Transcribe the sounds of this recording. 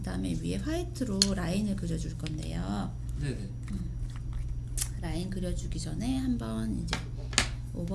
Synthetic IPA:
kkɯdaɯme̞̰ɥiɦe̞ɸʰaitʰɯɾoɾainɯɭkɯɾjʌd͡ʑuɭk͈ʌnde̞̰jo | n | ɯ | ɾainkɯɾjʌd͡ʑuɡid͡ʑʌne̞hambʌnid͡ʑe̞̰ | obʌ

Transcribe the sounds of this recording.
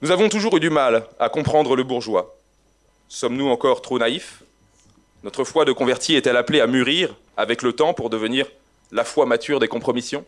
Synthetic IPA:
nuzavɔ̃t̪uʒuʁyd̪ymalakɔ̃pχɑ̃d̪ʁələbuʁʒwa | sɔmnuɑ̃kɔʁt̪χonaif | nɔt̪χəfwad̪əkɔ̃vɛʁt̪iɛt̪ɛlapleamyʁiʁ | a̰vɛklət̪ɑ̃puʁd̪əvəniʁ | lafwamat̪yʁd̪ekɔ̃pχɔmisjɔ̃

